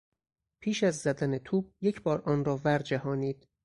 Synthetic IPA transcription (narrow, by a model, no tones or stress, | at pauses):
pʰiːʃæzzæd̪ænet̪ʰuːb̥̚je̞cʰbɒːɾʔɒːnɾɒːvæɾd͡ʒæhɒːniːd̪̥